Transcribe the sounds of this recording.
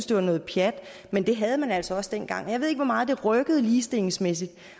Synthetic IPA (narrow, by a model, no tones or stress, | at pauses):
sd̥oɐ̰nɔ̽ːð̩ˠpʰjæd̥ | mend̥e̝ɦæð̞ˠmænælsɒ̽ɒ̽sd̥en̰ɡ̥ɑ̈ŋ̰ɒjɑe̝ð̞̰ˠeɡ̥ʋɒmɑ̈ːð̩ˠd̥e̝ʁœɡ̥əð̞̩ˠliːsd̥e̝leŋsmes̬id̥